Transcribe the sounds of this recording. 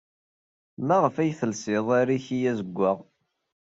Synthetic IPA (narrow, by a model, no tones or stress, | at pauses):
mæʁəfæjθəlsɪðˤaɾiçijæzəɡʷːəʁ